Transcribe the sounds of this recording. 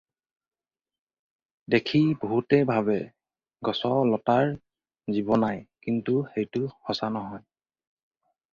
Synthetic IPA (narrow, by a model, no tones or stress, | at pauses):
dekʰiboɦutɛbʱabɛ | ɡɔsɔlɔtaɹ | zibɔnajkintuxejtʊxɔsanɔɦɔj